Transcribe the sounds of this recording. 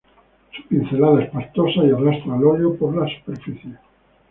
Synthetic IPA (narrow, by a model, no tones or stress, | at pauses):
su̥pin̟θe̞laðaespaɾt̪osaiarast̪ɾaloʎopoɾlasu̥peɾfiθje